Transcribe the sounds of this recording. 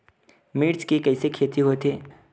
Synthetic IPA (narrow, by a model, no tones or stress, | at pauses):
miːɽskekɐɪsekʰeːt̪iɦoːt̪eː